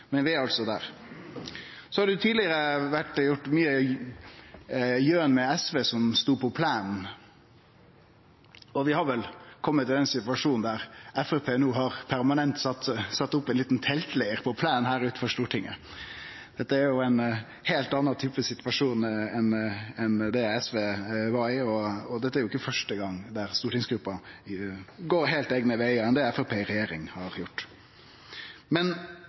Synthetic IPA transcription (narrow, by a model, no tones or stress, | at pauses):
mɛnʋɪæɾɑlt̪sɔd̪æ̰ːɾ | sɔhɑɾɖɛʊt̪ʰiːd̪lɪəɾəʋæʈjʊʈːmyːə | jøːnmɛɛsʋeːsɔmst̪uːpʰɔpʰlæːnn | ɔʋɪhɑɾʋɛlkʰɔmːət̪ʰːɪlɛnsɪt̪ʋɑʂuːnn̩d̪æɾɛfəpʰeːnuːɦɑɾpʰæɾmɑnɛnt̪sɑt̪ːsɑt̪ːʊpːɛnliːt̪n̩t̪ʰɛlt̪læɪəɾpʰɔpʰlæːnhæːɾʉːt̪̩fɔɾʂt̪uːʈʰɪŋːə̰ | d̪̥ɛt̪ːəæɾjʊæɪn | heːlt̪ɑnːɑt̪ʰyːpəsɪt̪ʋɑʂuːnɛnɛnd̪ɛɛsʋeːʋɑɾɪɔɔd̪ɛt̪ːəæɾjʊɪkːəfœʂʈəɡɑŋːd̪æɾst̪uːʈɪŋsɡɾʉpːɑ | ɡoːɾheːlt̪eːɡnəʋæɪɑɛnd̪ɛɛfɛpʰeːɾɛjeːɾɪŋhɑɾjʊʈː | mɛn